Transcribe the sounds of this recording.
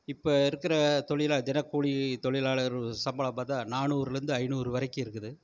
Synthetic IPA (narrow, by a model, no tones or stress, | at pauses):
ɪpːoɪɾɯkːɪɾɐt̪ɔɭɪlaːd͡ʒɛnɐkːuːɻit̪ɔɭɪlaːɭɐɾsɐmbɐɭɐmaːt̪ãːnaːnuːɾɪɾɯnd̪ɯɐɪnuːɾɯʋɐɾɐɪkːɯɪɾɯkːɯðɯ